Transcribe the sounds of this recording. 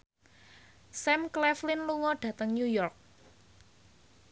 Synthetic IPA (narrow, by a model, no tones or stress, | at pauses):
sɛmklɛflɪnluŋɔɖ̥ä̤t̪əŋnujɔrk̚